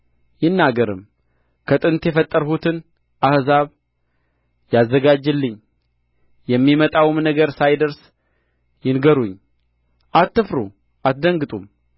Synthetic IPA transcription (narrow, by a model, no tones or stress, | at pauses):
jɪnːaɡəɾɨ̰m | kʰət̪ʼɨnt̪jɛfət̪ʼːəɾhut̪ʰɨn | ʔahzaβ | jazːəɡad͡ʒːɨlːɨɲ | jɛmːimət̪ʼawɨmnəɡəɾsajd̪əɾs | jɪnɡəɾuɲ | ʔat̪ːɨfɾu | ʔat̪d̪əŋɡɨt̪ʼum